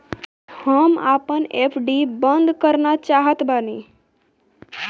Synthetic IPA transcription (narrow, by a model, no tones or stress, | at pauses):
həmapənepʰɖibənd̪kəɾnat͡ʃaːɦət̪bani